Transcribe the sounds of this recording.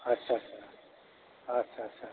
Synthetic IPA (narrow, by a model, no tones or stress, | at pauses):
ɐtːɕʰasa | ɐtːʃʰatːʃʰa